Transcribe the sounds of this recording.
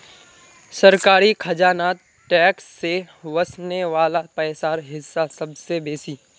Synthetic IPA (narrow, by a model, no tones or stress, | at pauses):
sɐɾkaːɾikʰɐd͡ʒaːnaːt̪̚ | ʈɛːksːe | ʋɐsneʋaːlapəsaːɾɦɪsːasɐbsebeːsiː